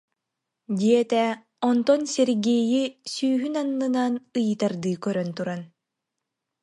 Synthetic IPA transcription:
d̪iɛt̪ɛ | ɔnt̪ɔnsɛɾɡijisyːɦynanːɯnanɯjɯt̪aɾd̪ɯːkœɾœnt̪uɾan

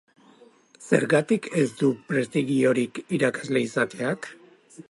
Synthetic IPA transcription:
se̞̰ɾɣat̪ikʰe̞zd̪upɾe̞st̪iɣio̞ɾikiɾakḁzle̞isat̪e̞ak

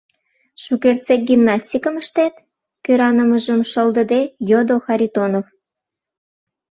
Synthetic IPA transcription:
ʃukert͡sek̚ɡʲimnɑsʲtʲikəməʃt̪et̪ | køɾɑnəməʒəmʃəld̪ə̆d̪ejod̪oxɑɾʲit̪onof

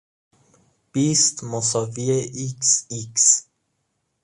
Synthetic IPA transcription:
b̥ist̪mosɔvieiksiks

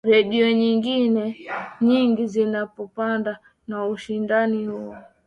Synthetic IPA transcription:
ɾɛɗiɔɲiŋɡinɛɲiŋɡizinapɔpanda | nauʃindanihuɔ

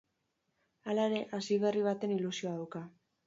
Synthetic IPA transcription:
alae̞ɾe̞ʔasiβe̞riβ̞at̪e̞nilusio̞aðawka

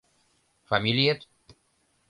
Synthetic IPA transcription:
familjet̪

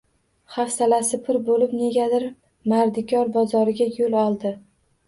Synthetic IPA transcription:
χafsalasɪpʰɪɾbolɪpne̞ɡʲad̪ɪɾ | maɾd̪ɪkʲʰɒɾbɒzɒɾɪɡʲajolɒlˠd̪ɪ

